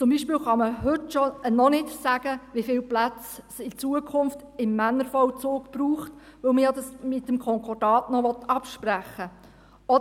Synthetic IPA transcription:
t͡sʊmbiːʃpiːlχɑməɦɵtʃɔnɔnɪtsæɡ̥əʋɪfɪlplæt͡ssɪt͡suəkʰʊnft | ɪmːænːəɾfɔwt͡soːkb̥ruːχtʋɵwməjɑd̪ɑsmɪt̪ːəmkʰɔŋkʰɔd̥ɑːtnɔʋɔt̪ɑpʃpɾæχːə | ɔ

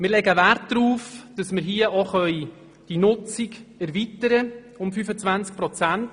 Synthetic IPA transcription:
mɪːɾlɛɡəʋærtdɾuːfd̥ɑsmɪɾɦiəʔɔχœʏ | d̥inʊt͡siɡɛɾvitəɾə | ʊmfyfət͡svænt͡sk̚pɾɔt͡sænt

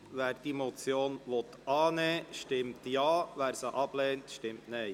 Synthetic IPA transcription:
ʋæːɾd̥imɔt͡sjoːnʋɔt̪ɑːnɛːʃtɪmtjɑːʋæːɾsəʔɑb̥lɛːntʃtɪmtnɛɪ

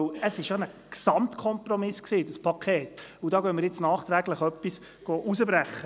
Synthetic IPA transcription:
əsɪʃjonəksɑmtkʰɔmprɔmɪsksiːdəspʰɑkʰeːt̪udɑːɡœnmɪɾjɪt͡snɑːχt̪ɾæɡləχœpːis | ɡ̥oːʔusəbɾæχːə

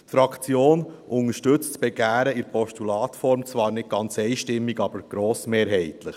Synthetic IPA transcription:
tfɾɑkt͡sjoːnʔʊŋəʃtɵt͡stt͡sb̥ɛɡæːɾəɪɾpʰɔʃtulɑːtfɔɾmt͡sʋɑːɾnɪt̚ɡ̥ɑnt͡sɛɪʃtɪmːiɡɑbəɾɡ̥ɾoːsmeːɾɦɛɪt̪ləχ

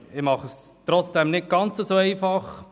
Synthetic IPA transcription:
ɪmɑχəs | t̪ɾɔt͡sd̥ɛmnɪt̚ɡ̥ɑnt͡səzoɛɪfɑχ

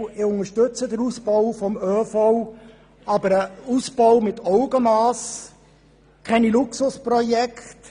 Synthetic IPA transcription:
ɪʊŋəɾʃtɵt͡səd̪əɾusbɔwfɔmøːfɔw | ɑbəɾəusb̥ɔwmɪt̪ʰɔʊɡəmɑːs | kʰɛniluksʊspɾɔjɛkχt

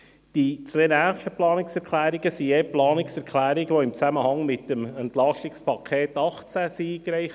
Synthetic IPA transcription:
d̥it͡sʋeːnæːχʃtəplɑːnɪksɛɾkʰlæːɾiɡ̥əsiɛplɑːnɪksɛɾkʰlæːɾɪɡʋoɪmt͡sæməhɑŋmɪt̪əmɛnt̪lɑʃtɪkspʰɑkʰeːt̪ɑχt͡sæsiːɡɾɛɪχ

